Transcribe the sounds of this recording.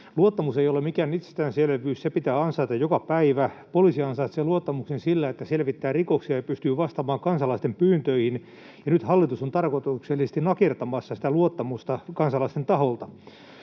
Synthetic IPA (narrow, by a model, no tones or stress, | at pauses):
luot̪ːɑmusejolemikæːnit̪se̥st̪æːnselʋyːssepit̪æːɑnsɑit̪ɑjjokɑpæiʋæpolisiɑnsɑit̪seluot̪ːɑmuksensilːæet̪ːæselʋit̪ːæːrikoksiɑjɑpyst̪yːʋɑst̪ɑmɑːŋkɑnsɑlɑist̪empyːnt̪øihin | jɑnyt̪hɑlːit̪usont̪ɑrkot̪ukselːisest̪inɑkert̪ɑmɑsːɑsi̥t̪æluot̪ːɑmust̪ɑkɑnsɑlɑist̪ent̪ɑɦolt̪ɑ